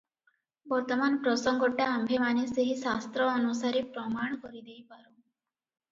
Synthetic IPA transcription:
bɔɾt̪ɔmanpɾɔsɔŋɡɔʈːaːmbʱemaneseɦisast̪ɾɔɔnusaɾepɾɔmaɳ̃kɔɾid̪ejpaɾu

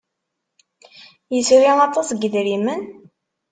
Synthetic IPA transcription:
jəsuɾiɑt̪ˤɑsɡəðɾimən

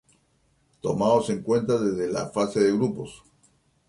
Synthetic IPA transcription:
t̪o̞maðose̞ŋkwe̞nt̪aðe̞zðela̰fase̞ðe̞ɣɾupo̞s

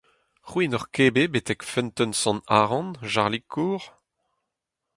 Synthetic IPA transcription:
χwinɔʁkeːbebet̪ɛkfɛ̃nt̪œnsɔ̃naːʁɑ̃nʒaʁlikʰːuːʁ

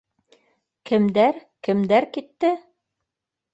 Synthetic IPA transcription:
kɘ̆md̪æɾkɘ̆md̪æɾkit̪ːɘ

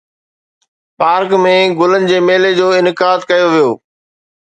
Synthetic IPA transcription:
paːɾkmẽɡʊlənɪ̆d͡ʑeːmeːled͡ʑoːɪnɪkaːd̪kɐjoʋijoː

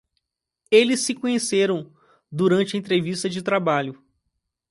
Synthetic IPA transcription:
elɪsːɪkõɲeseɾɐ̃w̃ | d̪uɾɐ̃nt͡ʃɪɐẽnt̪̬ɾevist̪ɐd͡ʒɪt̪ɾabaʎʊ

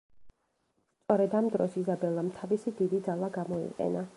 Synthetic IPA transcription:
st̪ʼɔɾɛd̪amd̪ɾɔsizabɛlˠamt̪ʰavisid̪id̪id̪zalˠaɡamɔḭqʼɛ̰na

